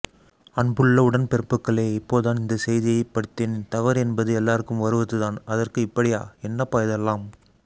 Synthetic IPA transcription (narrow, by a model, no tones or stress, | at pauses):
ɐɳbɯɭːɐʊɽɐnpɛɾɯpːɯkːɐɭeːɪpːoːɯðaːnɪnd̪ɐsɛjðɪjɐɪpːɐɽɯt̪ːent̪ɐʋɐɾɛnbɐðɯɛlːaːɾɯkːɯmʋɐɾɯʋɐðɯðaːnɐðɐrkɯɪpːɐɽɪjaːɛnːɐpɐːjɐðɛlːaːm